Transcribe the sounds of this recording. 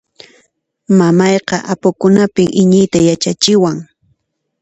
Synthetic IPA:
mamɑjqɑʔapʊkʊnapɪŋʔɪɲɪjt̪ajat͡ʃat͡ʃɪwaŋ

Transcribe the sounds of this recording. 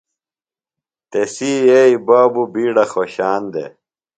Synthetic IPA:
t̪esiːeibaːbubiːɽɐxoɕaːnd̪ḛ

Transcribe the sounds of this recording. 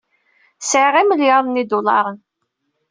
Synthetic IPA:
sʕʁiməljɑðˤnid̪ʊlɑɾˤən

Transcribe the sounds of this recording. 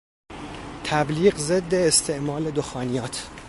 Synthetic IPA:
t̪ʰæbliːɣze̞d̪ːe̞ːst̪ʰe̞ʔmɒːle̞d̪oxɒːnijɒːt̪ʰ

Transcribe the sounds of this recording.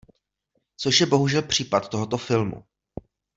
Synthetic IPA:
t͡so̞ʃjɛbo̞ɦuʒɛlpr̝̥iːpat̪̚t̪o̞ɦo̞t̪o̞fɪlmṵ

